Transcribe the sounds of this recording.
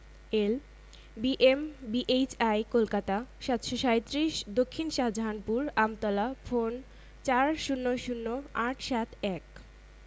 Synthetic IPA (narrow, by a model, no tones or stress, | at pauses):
el | biʔembiʔet͡ɕajkolkat̪aʃat̪ʃoʃajt̪ːɾiʃd̪okʰːinʃad͡ʑʱanpuɾamt̪ɔlafon | t͡ɕaɾʃunːoʃunːoaʈʰʃat̪ʰɛk